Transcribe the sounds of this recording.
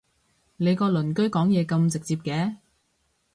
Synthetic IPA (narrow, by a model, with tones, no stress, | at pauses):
le˨˧jkɔː˧lɵ˨˩nkɵ˥ɥkɔː˨˥ŋjɛː˨˧kɐ˧mt͡sɪ˨k̚t͡siː˧p̚kɛː˨˧˦